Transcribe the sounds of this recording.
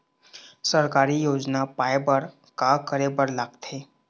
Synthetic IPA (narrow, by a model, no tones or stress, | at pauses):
səɾkaɾiːjod͡znapajbəɾ | kakəɾebəɾlaɡt̪ʰe